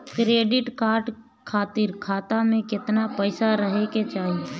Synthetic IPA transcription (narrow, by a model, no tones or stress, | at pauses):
kɾeːɖɪʈkaːɾɖ | kʰaːt̪iɾkʰaːt̪amẽkɪt̪napɛɪsaɾəɦeket͡ʃaːɦie